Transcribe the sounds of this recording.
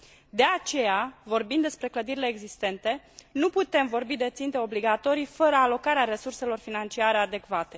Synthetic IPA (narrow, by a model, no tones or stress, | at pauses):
d̪e̞at͡ʃe̞javo̞rbind̪e̞spɾe̞kləd̪iɾile̞ːɡzist̪e̞nt̪e̞ | nuput̪e̞mvo̞rbid̪e̞t̪sint̪e̞o̞bliɡat̪o̞ɾijfəɾəalo̞kaɾeaɾe̞surse̞lo̞rfinant͡ʃiaɾe̞ad̪e̞kvat̪e̞